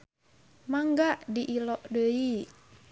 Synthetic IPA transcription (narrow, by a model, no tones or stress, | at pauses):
maŋɡaʔdiʔilɔʔdəi